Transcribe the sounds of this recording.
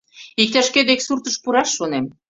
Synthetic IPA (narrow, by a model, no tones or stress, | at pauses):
ik̚t̪æʃked̪eksurt̪əʃpuɾɑʃːonem